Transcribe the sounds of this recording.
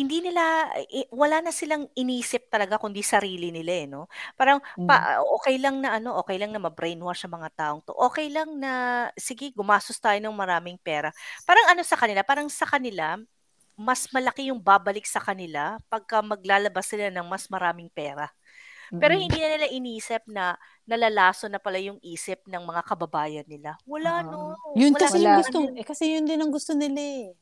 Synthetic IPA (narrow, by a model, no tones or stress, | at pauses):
hɪnd̪iːnɪlawɐlanɐsɪlaŋʔɪniːsɪp̚t̪ɐlɐɡakʊnd̪isɐɾiːlɪnɪlaɛno̞paːɾɐŋpa̰ʔoːkɛjlɐŋnɐʔɐno̞ʔo̞ːkɛjlɐŋnɐmɐbɾɛjnwasɐmɐŋat̪aːʔo̞ŋt̪o̰ʔo̞ːkɛjlɐŋnɐsɪɡɛɡʊmaːsʊst̪aːjonɐŋmɐɾaːmɪŋpɛːɾɐpaːɾɐŋɐno̞sɐkɐnɪlapaːɾɐŋsɐkɐnɪla | mɐsmɐlɐkɪjʊŋbaːbɐlɪk̚sɐkɐnɪlapɐɡ̚kɐmɐɡ̚laːlɐbasɪlanɐŋmɐsmɐɾaːmɪŋpɛːɾɐ | pɛːɾo̞hɪnd̪iːnɐnɪlaʔɪniːsɪp̚nɐ | nɐlaːlaːsonɐpɐlajʊŋʔiːsɪp̚nɐŋmɐŋakɐbɐbaːjɐnːɪlawɐlanonjʊnlosɪlɐɡʊst̪oɛkɐsɛjʊnd̪ɪnɐŋɡʊst̪onɪla